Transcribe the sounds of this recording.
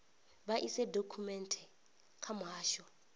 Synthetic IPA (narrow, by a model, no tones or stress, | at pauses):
baʔisɛdʱokʰumɛntʰɛ | kʰamaːʃɔ